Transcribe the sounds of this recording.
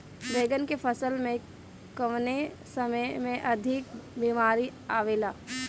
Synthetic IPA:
ʋeːɡənkepʰəsəlmẽ | kəʋne | səməjmẽʔɐd̪ʱɪkbiːmaːɾiaːʋeːlaː

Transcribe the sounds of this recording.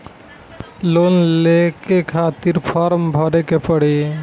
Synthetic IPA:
lonlekekʰat̪iɾpʰɔɾmbʱɔɾekepɔɽi

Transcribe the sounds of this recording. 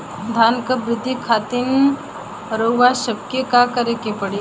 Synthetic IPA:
d̪ʱaːnkəbɾɪd̪ʱːikʰaːt̪in | ɾoʋaʃɐb̚kekakɐɾekepɐɽe

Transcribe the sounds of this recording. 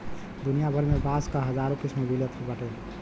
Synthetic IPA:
d̪unijabʱəɾmebaskaɦəd͡ʒaɾõkismebilət̪ʰbəʈɛ

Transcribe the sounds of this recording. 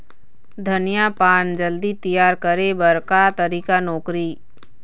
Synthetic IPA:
d̪ʱɐnijapaːnd͡ʒəld̪it̪ijaːɾkəɾebɐɾkat̪ɐɾiːkanɔːkɾiː

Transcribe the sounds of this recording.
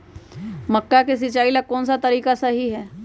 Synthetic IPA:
mɐkːakes̬ɪt͡ʃaːilakɔːnsat̪ɐɾiːkasəɦiɦɛː

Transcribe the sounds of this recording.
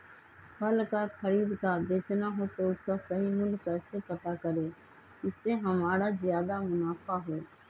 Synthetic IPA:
pəlkakʰəɾiːd̪kad̪eːt͡ʃnaɦot̪oʊskasəɦiːmʊlkɛːsepət̪akəɾeː | ɪsːeɦəmaːɾazɪjaːd̪amʊnaːfaɦoː

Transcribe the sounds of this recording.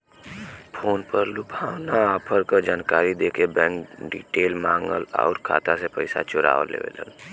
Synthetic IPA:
pʰoːnpəɾlubʱawnaːpʰəɾkəd͡ʒaːnkaːɾid̪eːkebɛ̃ːŋkɖḭʈeːlmaːŋɡə̰lɔ̰ʊɾkʰa̰ːt̪asepəɪsa̰t͡ʃʊɾa̰ːʋə̰lḛʋḛlə̰n

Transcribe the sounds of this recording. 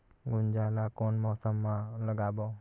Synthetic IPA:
ɡund͡ʒalakɔnmɔsəmːaləɡabɔ

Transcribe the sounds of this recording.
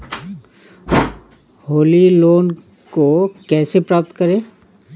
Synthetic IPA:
ɦoːliloːn | kokɛːsepɾaːp̚t̪kɐɾẽː

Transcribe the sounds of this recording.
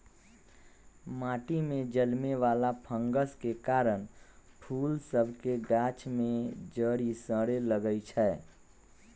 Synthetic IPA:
maːʈimẽd͡ʒəlmeʋaːlapʰə̃ŋɡəskekaːɾəñpʰuːlsəbʱkeɡaːt͡ʃʰmẽd͡ʒəɾisə̃ɾeləɡəit͡ʃʰɛː

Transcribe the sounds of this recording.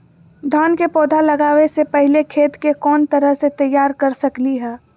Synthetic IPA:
d̪ʱaːnkepɔːd̪ʱalɐɡaːwesepəɦɪlekʰeːt̪kekɔːnt̪ɐɾəɦset̪ɐjːaːɾkɐɾsɐkliɦɛː

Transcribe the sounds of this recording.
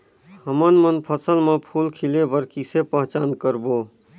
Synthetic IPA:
həmənmənpʰəsəlmepʰulkʰilebəɾkisepəɦt͡ʃaːnkəɾboː

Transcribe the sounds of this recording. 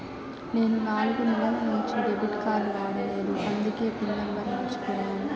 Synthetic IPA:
ne̞ːnunaːluɡunilɐlnuɲt͡ʃiɖebiʈkaːluʋaːɽile̞ːɾuʔɐnd̪uke̞ːpinːɐmbɐnɐʋit͡ʃu̥k̪unːaːnu

